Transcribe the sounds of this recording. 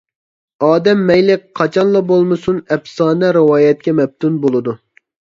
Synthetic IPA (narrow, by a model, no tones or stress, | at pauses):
ɑːd̪ɛmːɛjlɪk̚ʲqʰːɑt͡ʃʰɑnlˠɑbolˠmɨsunɛpsɑːnɛɾɨwɑːjɛt̪̚kʲɛmɛp̚t̪ʰunbolˠɨd̪u